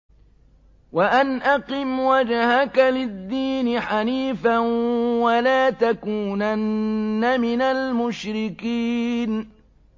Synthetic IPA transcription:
waʔanʔaqɨmwad͡ʒahakalɪd̪ːiːnɪħaniːfanwalaːt̪akuːnanːamɪnalmʊʃɾɪkiːn

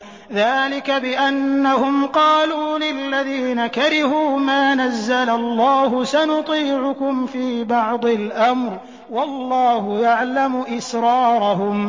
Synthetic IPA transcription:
ðaːlɪkabɪʔanːahʊmqɑːluːlɪlːaðiːnakaɾɪhuːmaːnazːalalˤːɑːɦʊsanʊt̪ˤiːʕʊkʊmfiːbɑʕd̪ˤɪlʔamɾ | wɑlːɑːhʊjaʕlamʊʔɪsɾɑːɾˤɑɦʊm

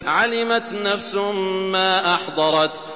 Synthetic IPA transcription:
ʕalɪmat̪nafsʊmaːʔɑħd̪ˤɑɾˤɑt̪

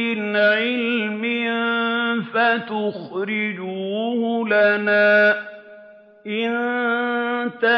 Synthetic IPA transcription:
ɪnʕɪlmɪ | fat̪ʊxɾɪd͡ʒuːhlanaː | ʔɪn | t̪a

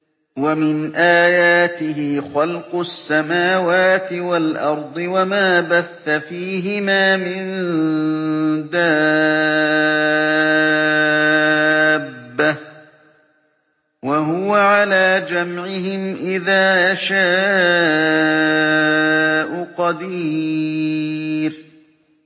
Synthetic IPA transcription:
wamɪnʔaːjaːt̪ɪɦɪxɑlqʊsːamaːwaːt̪ɪwalʔɑɾˤd̪ˤɨwamaːbaθːafiːɦɪmaːmɪn | d̪aː | bːa | waɦʊwaʕalaːd͡ʒamʕɪɦɪmʔɪðaːʔaʃaː | ʔʊqɑd̪iː | ɾ

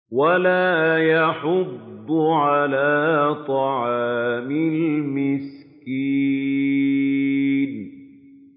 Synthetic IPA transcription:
walaːjɑħʊd̪ːʊʕalaːt̪ˤɑʕɑːmɪlmɪskiː | n

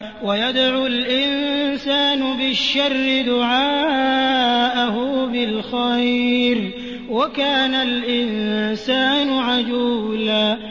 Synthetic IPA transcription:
wajad̪ʕulʔɪnnsaːnʊbɪʃːɑrːɪd̪ʊʕaː | ʔahʊbɪlxajɾ | wakaːnalʔɪnsaːnʊʕad͡ʒuːlaː

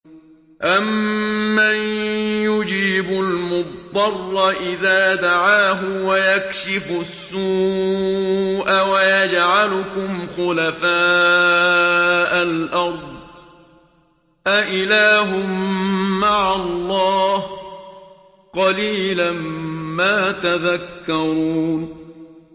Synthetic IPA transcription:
ʔamːanjʊd͡ʒiːbʊlmʊdˤɑrˤːɑʔɪðaːd̪aʕaːɦʊwajakʃɪfʊsːuː | ʔawajad͡ʒʕalʊkʊmxʊlafaː | ʔalʔɑɾˤd̪̚ˤ | ʔaʔɪlaːɦʊmː | aʕalːɑːh | qɑliːlanːaːt̪aðakːɑɾuːn

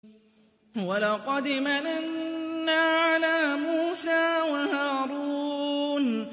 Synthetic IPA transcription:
walɑqɑd̪ɪmaʔɪnːaːʕalaːmuːsaːwahaːɾuːn

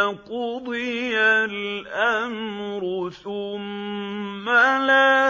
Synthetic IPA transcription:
kʊd̪ijalʔamɾʊθʊmː | ala

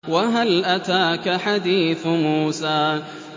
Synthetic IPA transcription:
waɦalʔat̪aːkaħad̪iːθmuːsaː

